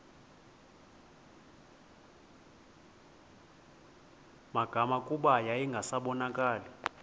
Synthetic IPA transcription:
maɡ̥ʱamakʼuɓajaiŋɡʱasaɓɔnakʼaːlɔ

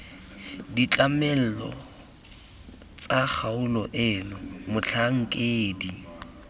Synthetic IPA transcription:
dit͡ɬʼamɛl̩lɔ̰ | t͡sʼak͡xʰaʊlɔʔɪlʊmʊt͡ɬʰaŋ̩kʼeːdi

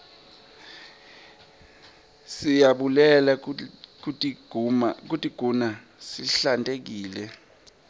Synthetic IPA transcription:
sijaɓulɛlaku | k̬utʼiɡ̥ʱuna | siɬantʼek̬iːlɛ

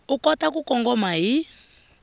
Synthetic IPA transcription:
ukɔtakukɔŋɡɔmai

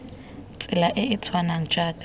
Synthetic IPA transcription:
t͡sʼɪlaʔɪɪt͡sʰwanaŋ̩t͡ʃʼaːkʼ

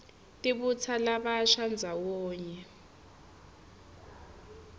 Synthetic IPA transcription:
tʼiɓut͡sʰalaɓaʃand͡zʱawɔːɲɛ

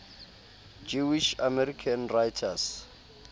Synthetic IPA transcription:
d͡ʒuwiʃamɛɾikʰanrajtʰas

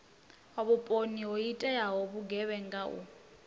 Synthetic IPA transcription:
ɔβupʼoniɦɔitʼɛjaɦɔβuɡɛβɛŋɡaṵ

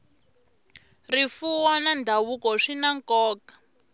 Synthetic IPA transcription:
rifuwɔnandʱaβukɔʂinaŋkɔːkḁ

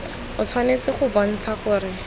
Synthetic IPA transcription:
ʊt͡sʰwanet͡sɪχʊbɔn̩t͡sʰaχʊɾɪ

